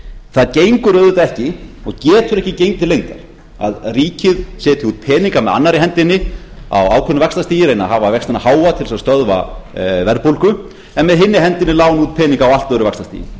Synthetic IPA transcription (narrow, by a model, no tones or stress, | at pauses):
θaðcejŋkʏɾœːðɪt̪aɛhcɪɔɣcɛːt̪ʏɾɛhcɪcejnt̪ɪlejŋt̪aɾ̥ | a̰ðriːcɪðsɛːt̪ɪuːt̪̚pʰɛːniŋkamɛða̰nːaɾɪɦɛnt̪ɪnːɪa̰waːwkʰœnʏvɛkst̪ast̪iːjɪɾejnaɦaːvavɛkst̪ɪnahaːwat̪ʰɪlsaðst̪œðva̰vɛɾðpowlkʏ | ɛnmɛðɦɪnːɪɦɛnt̪ɪnɪlaːwnuːt̪̚pʰɛːniŋkaːwalt̪œɾʏvɛkst̪ast̪ḭjɪ̰